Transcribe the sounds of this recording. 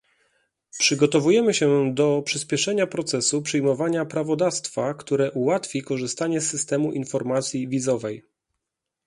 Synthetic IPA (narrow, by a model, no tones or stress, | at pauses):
pʂɘɡɔt̪ɔvujɛmɘɕɛd̪ɔpʂɘspʲjɛʂɛɲapɾɔt̪sɛsupʂɛjmɔvaɲapɾavɔd̪afst̪fakt̪uɾɛʔuwat̪fʲikɔʐɘst̪aɲɛsːɘst̪ɛmuʔinfɔɾmat̪sʲjivʲizɔvɛj